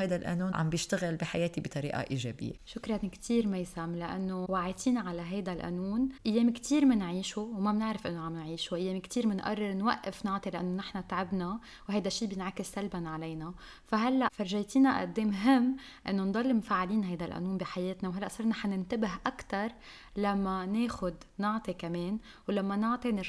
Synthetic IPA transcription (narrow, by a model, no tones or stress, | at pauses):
hajd̪alʔa̰nuːnʕa̰mbjɪʃt̪aɣɪlbiħajeːt̪ibɪt̪ˤɑɾḭːʔa̰ʔiːʒḛːbɪ̰jːḛʃʊkɾˤɑnkt̪ʰiːɾmajsamlɪʔa̰nːowaʕiːt̪ˤiːnaʕalaɦajd̪alʔa̰nuːnʔɪjːeːmkt̪ʰiːɾmɪnʕiːʃuwmabnɪʕɾɪfʔɪnːoʕamnʕiːʃoʔɪjːeːmkt̪iːɾmɪnʔɑ̰rˤːɪɾnwaʔːɪfnɪʕt̪ˤilɪʔa̰nːonɪħnat̪ʕɪbna | whajd̪aʃːiːbjɪnʕakɪsːalbanʕalejna | faɦalːaʔfaɾʒajt̪iːnaʔa̰d̪ːeːmɦɪmː | ʔɪ̰nːond̪ˤɑlːmfaːʕaliːnɦajd̪alʔa̰nuːnbiħajeːt̪nawɦalːaʔsɑɾˤnaħanɪnt̪abɪɦʔakt̪ɑɾˤ | lamːaneːxʊd̪ | nʊʕt̪ˤikameːn | wlamːanʊʕt̪ˤinɪ